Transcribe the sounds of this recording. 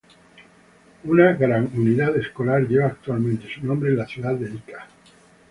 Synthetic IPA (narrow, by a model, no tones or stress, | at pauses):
unaɣɾaŋuniðaðe̞sko̞laɾʝe̞βaːk̚t̪ualmẽnt̪e̞sunõmbɾe̞nlaθjuðaðe̞ikḁ